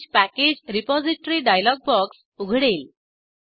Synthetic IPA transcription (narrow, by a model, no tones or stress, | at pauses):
t͡ɕpæked͡ʑɾipɔd͡ziʈɾiːɖajlɔɡ̚bɔks | uɡʱɽel